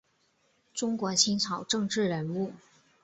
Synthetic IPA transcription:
ʈ͡ʂʊ˥ŋkwɔ˧˥t͡ɕʰi˥nt͡sʰɑ˨˩ʊʈ͡ʂɤ˥˧ŋʈ͡ʂɻ̩˥˩ɻə˧˥nu˥˩

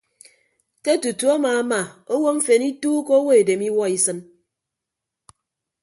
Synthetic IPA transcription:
ke˦tu˨tu˨a˦maː˨a˦ma˨o˦wo˦m̩˦fe˨ni˦tuː˦ko˦wo˦e˨de˨mi˦wɔ˦i˦sɨ˦n

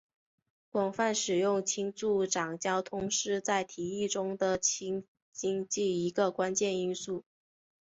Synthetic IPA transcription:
kwɑ˨˩ŋfa˥˩nʂɻ̩˨˩jʊ˥˩ŋt͡ɕʰi˥ŋt͡su˥˩ʈ͡ʂɑ˨˩ŋt͡ɕjɑ˥ʊt̪ʰʊ˥ŋʂɻ̩˥˧t͡sa˥˩ɪt̪ʰi˨˩i˥˩ʈ͡ʂʊ˥ŋd̪ə˨t͡ɕʰi˥ŋ | t͡ɕi˥ŋt͡ɕi˥˩i˧˥ɡə˧kwa˥nt͡ɕjɛ˥˧ni˥nsu˥˩

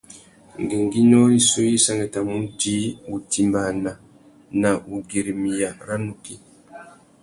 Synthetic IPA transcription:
ŋɡe˨ŋɡi˦nɔ˦ɾi˦su˦ji˦sa˦ŋɡe˨ta˨mu˦di˦wu˨ti˨mba˨na˨ | na˨u˨ɡi˨ɾi˨mi˨ja˨ɾa˦nu˨ki˦

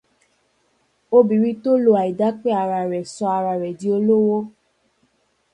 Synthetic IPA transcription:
o˦bi˨ɾi˧to˦lo˧a˨i˨da˨˦k͡pe˦a˨˧˨ɾa˧˨ɾɛ˨sɔ˧a˧ɾa˧˨ɾɛ˨di˨˦o˧lo˦wo˦

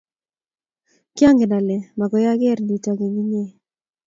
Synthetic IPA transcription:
kja˦ŋɡe˨na˨lɛ˨ma˨ɡɔ˨ja˦ɡe˦ɾni˨ta˨ɡe˨ŋi˦ɲe˦

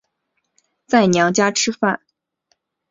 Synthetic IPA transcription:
t͡sa˥˩ɪnjɑ˧˥ŋt͡ɕja˥ʈ͡ʂʰɻ̩˥fa˥˩n

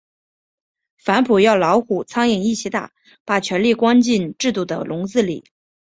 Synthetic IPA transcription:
fa˧˥npʰu˨˩jɑ˥˩ʊlɑ˧˥ʊxu˨˩t͡sʰɑ˥ŋi˨˩ŋi˥˩ɕʰi˧˥t̪a̰˥˩ | pa˨˩t͡ɕʰɥɛ˧˥nli˥˩kwɑ˥nt͡ɕi˥˧nʈ͡ʂɻ̩˥˧t̪u˥˩d̪ə̰˩lʊ˧˥ŋt͡sɹ̩˥˩lḭ˨˩˦

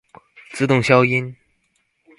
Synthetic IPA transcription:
t͡sɹ̩˥˧t̪ʊ˥˩ŋɕjɑ˥ʊi˥n

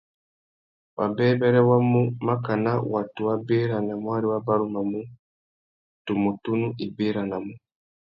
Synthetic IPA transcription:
wʔa̰˨bɛː˦bɛ˦ɾɛ˦wa˦mu˦ma˦ka˨na˦wa˨tu˨wa˦be˦ɾa˨na˨mu˦a˦ɾi˦wa˦ba˦ɾu˦ma˨mu˦ | tu˨mu˨tu˦nu˦ʔi˨be˦ɾa˨na˨mu˦

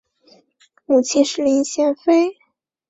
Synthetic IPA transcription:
mu˨˩t͡ɕʰi˧˥nʂɻ̩˥˧li˧˥nɕjɛ˥nfe˥ɪ

